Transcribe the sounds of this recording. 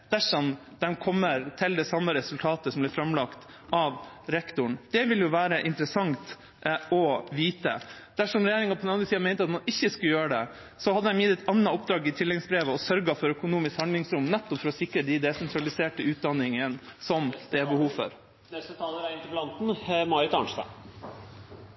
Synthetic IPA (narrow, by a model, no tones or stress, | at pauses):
d̪̥æʂɔm | d̪̥ɛnkʰɔmːəɾt̪ʰɪld̪ɛsɑmːəɾɛsʉlt̪ʰɑːt̪əsɔmb̪ɪɾfɾɑmlɑkt̪ | ʔɑʋ | ɾɛkt̪ʊɳd̪̥ɛʋɪljʊʋæːɾəʔɪnt̪ɾəsɑŋt̪ | ɔʋiːt̪ə̰ | d̪̥æʂɔmɾɛjeːɾɪŋɑpʰɔd̪ɛnɑnɾəsiːɑmæɪnt̪əɑt̪mɑnɪçːəskʉləjøːɾəɖɛ̰ | sɔhɑd̪ːəɛmjɪt̪ːɛt̪ɑnːɑɔp̚d̪ɾɑːɡɪt̪ʰɪlːɛɡsbɾeːʋəɔsœɾɡɑfɔɾœkʊnuːmɪskhɑnd̪lɪŋsɾʊmnɛt̪ːɔpfɔɾɔsɪkɾəd̪ɪd̪ɛsɛnt̪ʰɾɑlɪseːʈəʉːt̪̚d̪ɑnːɪŋənsɔmd̪̥ɛæɾbəhuːʋfɔ̰ɾ | d̪ɛsɔt̪ʰɑːləɾæɪnt̪əblɑnt̪n̩mɑɾɪt̪ɑ̰ːɳʂt̪ɑ̰